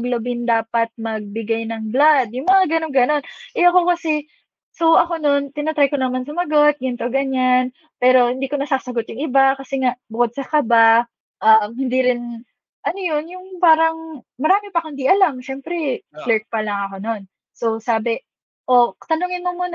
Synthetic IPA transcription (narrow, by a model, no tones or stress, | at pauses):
mɐɡlɐbɪnd̪aːpɐt̪̚mɐɡ̚bɪɡajnɐŋblad̪̚jʊŋmɐŋaɡɐnoŋɡɐno̞nʔɛʔɐko̞kɐsɛ | so̞ʔɐko̞no̞nt̪ɪnɐt̪ɾajkonɐmansʊmɐɡo̞t̪̚ɡɪnt̪o̞ɡɐɲan | pɛːɾo̞hɪnd̪iːko̞nɐsaːsɐɡo̞t̪̚jʊŋʔɪbakɐsɛŋaʔbʊkod̪̚sɐkɐba | ʔɐmhɪnd̪iɾɪn | ʔɐnojonjʊŋpaːɾɐŋmɐɾaːmɪpɐkɐɪnd̪iʔɐlamʃɛmpɾɛflɛɹt̪̚pɐlɐŋɐko̞no̞n | sosaːbɛ | ʔo̞t̪ɐnuŋɪnmomuːnɐ